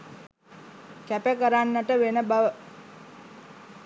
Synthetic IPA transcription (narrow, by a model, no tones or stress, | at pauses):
kæpəkəɾanːəʈəʋenəbaʋə